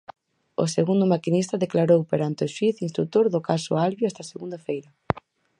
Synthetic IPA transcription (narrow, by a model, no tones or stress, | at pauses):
ʊ̰seɣund̪ʊmakinist̪ɐðeklaɾowpeɾant̪ɪoʃwiθinst̪ɾut̪oɾðʊkasʊ̰alβjʊɛst̪ɐaseɣund̪afejɾɐ